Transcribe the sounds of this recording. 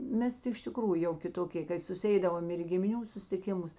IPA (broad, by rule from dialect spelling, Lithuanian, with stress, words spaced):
ˈmʲɛs tʲɪ ɪʃ tʲɪˈkruːjʊ jɛʊ kʲɪˈtoːkʲeː ˈkɐɪ sʊsʲɪˈɛɪdɐʋoːm ɪr iː ɡʲɪmʲɪˈnʲuː sʊsʲtʲɪˈkʲɪmʊs